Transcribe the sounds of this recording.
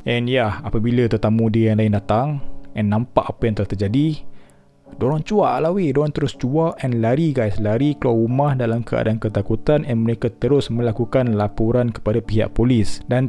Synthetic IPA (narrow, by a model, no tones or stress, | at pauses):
ʔɛnjahapabilat̪ərt̪amũdiəjaŋlaɪndat̪aŋɛnːãmpaʔapajaŋt̪əlaht̪ərd͡ʒadi | doɾɔŋt͡ʃuaʔlawidoɾɔŋt̪əɾʊst͡ʃuaʔʔɛnlaɾiɡajslaɾikəluwaumahdalamkəa̰dankət̪akut̪anɛnməɾekat̪əɾʊsmə̃lakukanlapuɾankə̥padapiɦa̰ʔpolɪsdan